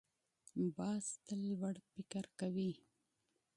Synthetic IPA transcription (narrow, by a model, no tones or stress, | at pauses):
bɑːst̪əlwaɽpikaɾkawi